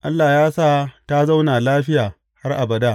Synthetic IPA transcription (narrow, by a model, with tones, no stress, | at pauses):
ʔa˦lːaː˨jaː˦saː˦ta˦za˦wnaː˨laː˦ɸɪ˦jaː˨ | ha˦rʔa˨bɐ˨daː˦